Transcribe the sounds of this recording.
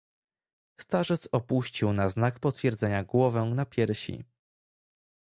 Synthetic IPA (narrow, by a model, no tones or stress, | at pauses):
st̪aʐɛt̪sɔpuɕt͡ɕiwnaznakpɔt̪fʲjɛɾd̪zɛɲaɡwɔvɛnapʲjɛɾɕḭ